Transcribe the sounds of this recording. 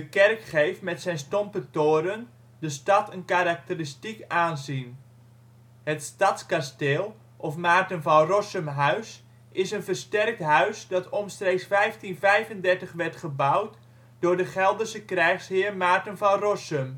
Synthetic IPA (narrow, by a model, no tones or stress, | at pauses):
dəkɛrkχejftmɛtsɛjnstɔmpətoːɾən | dəstɑtənkaɾak̚təristikaːnzin | hətstɑtskasteːlˠ | ʔɔfmaːrtənvalrɔsəmɦœɥs | ɪsənvərstɛrk̚tɦœɥsdɑtʰɔmstreːksfɛjftinfɛjvəndɛrtəχʋɛrtχəbawt | dʊːɹdəχɛlˠdərsəkrɛjχshɪːrmaːrtənvarɔsəm